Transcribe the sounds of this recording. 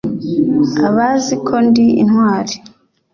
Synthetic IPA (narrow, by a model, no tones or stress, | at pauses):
aβazikʰondiḭnɦwaːɾi